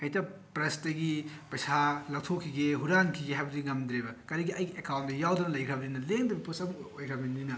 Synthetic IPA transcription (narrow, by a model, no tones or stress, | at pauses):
ɐjtɐpɾɐstɐɡipɐjsalɐk̚tʰokʰːiɡeɦuɾaŋkʰiɡeɦajbɐdiŋɐmd̪ɾebɐkɐɾiɡiɐjɡiʔekawntdɐjawdɐnɐlɐjkʰɾɐbninɐleŋdɐbɐpusɐbuŋojkʰɾɐbnininɐ